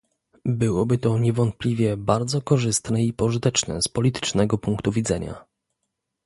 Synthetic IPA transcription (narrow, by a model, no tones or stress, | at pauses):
bɘwɔbɘt̪ɔɲɛvɔnt̪̚pʲlʲivʲjɛbaɾd̪zɔkɔʐɘst̪nɛipɔʐɘt̪ɛt͡ʂnɛ̰spɔlʲit̪ɘ̥t͡ʂnɛɡɔpuŋkt̪uvʲid̪zɛɲa̰